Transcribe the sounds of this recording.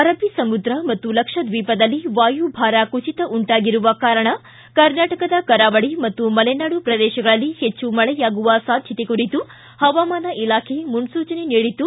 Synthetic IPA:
ɐɾɐbʱisɐmud̪ɾɐmɐt̪ːulɐkʂɐd̪ʋiːpɐd̪ɐlːiʋaːjubʱaːɾakut͡ʃit̪ɐʔuɳʈaːɡiɾuʋɐkaːɾɐɳɐ | kɐɾnaːʈɐkɐd̪ɐkɐɾaːʋɐɽimɐt̪ːumɐlɛnaːɽupɾɐd̪ɛːʃɐɡɐɭɐlːihet͡ʃːumɐɭɛjaːɡuʋɐsaːd̪ʱjɐt̪ekuɾit̪u | hɐʋaːmaːnɐʔilaːkʰemunsuːt͡ʃɐneniːɽit̪u

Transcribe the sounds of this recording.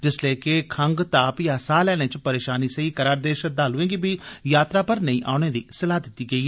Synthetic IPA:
d͡ʒɪsləikekʰəŋɡt̪aːpjaːsaːlɛːɽ̃eːt͡ʃpəɾeːʃaːniːsəiːkəɾaːɾd̪eːʃəd̪aːlʊẽːɡiːbiːjaːt̪ɾaːpəɾnəĩːʔa̰ːʊɽ̃eːd̪ḭːsəlaːd̪ɪt̪ːiːɡəiːɛ

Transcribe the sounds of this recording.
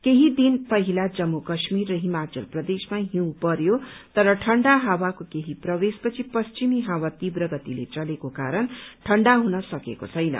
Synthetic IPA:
keɦid̪inpʌɦilad͡zʌmːukʌsmirːʌɦimat͡sʌlprʌd̪esmaɦĩw̃pʌɾjot̪ʌɾʌʈʰʌɳɖaɦawakokeɦiprʌbespʌt͡sʰipʌst͡ʃimiɦawat̪ibrʌɡʌt̪ilḛt͡sʌlekoka̰ɾʌnʈʰʌɳɖaɦunʌsʌkḛko̰t͡sʰʌjnʌ̰

